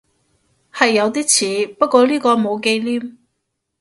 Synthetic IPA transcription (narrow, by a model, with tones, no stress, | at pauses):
hɐ˨jːɐ˨˧wt̪̬iː˥t͡sʰiː˨˥pɐ˥t̚kʷɔː˧liː˥kɔː˧mo˨˧wke˧jliː˥m